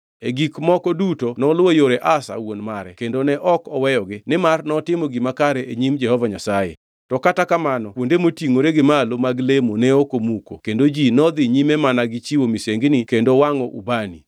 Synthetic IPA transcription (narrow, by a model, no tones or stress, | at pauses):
eɡikmɔkɔdutonɔlwojoɾɛʔasa̰wonmaɾɛkendonɛʔɔkɔwɛjɔɡɪnɪmarnɔtɪmoɡɪmakaɾɛeɲimd͡ʒɛhɔvaɲasajḛ | tɔkatakamanɔkwondemotiŋoɾeɡɪmalomaɡlemonɛokomuko̰kendod͡ʒinɔd̪ɪɲimemanaɡɪt͡ʃiwomiseŋɡnikendowaŋɔʔṵbanḭ